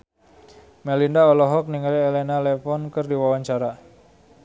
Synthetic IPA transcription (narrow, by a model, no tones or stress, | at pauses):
mɛlindaɔlɔɦɔk̚niŋalielenalefɔnkɨrdiwawaɲt͡ʃaɾa